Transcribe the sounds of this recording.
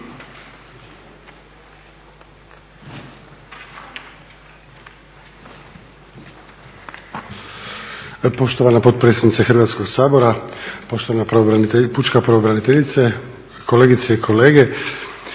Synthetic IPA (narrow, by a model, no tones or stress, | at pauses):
po̞ʃt̪oʋanapo̞t̪̚pɾesed̪nit̪exr̩ʋat̪skoɡsaːbo̞ɾapoʃt̪oanaput͡ʃkapɾoobɾanit̪eʎit̪se | kʰoleːɡit̪seikʰoleːɡe